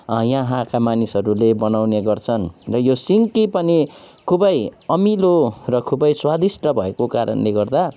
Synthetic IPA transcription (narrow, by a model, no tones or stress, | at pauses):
jãɦãkamanisʌɾulebʌnawneɡʌrt͡sʰʌnrʌjosiŋkipʌni | kʰubʌjʌmilorʌkʰubʌjswad̪isʈʌbʱʌekokaɾʌ̰nleɡʌrd̪a